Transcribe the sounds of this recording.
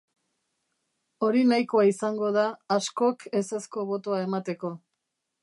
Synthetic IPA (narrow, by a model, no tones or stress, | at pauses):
o̞ɾinajko̞aisaŋɡo̞ð̞aːsko̞ke̞sesko̞βo̞t̪o̞ae̞mat̪e̞ko̞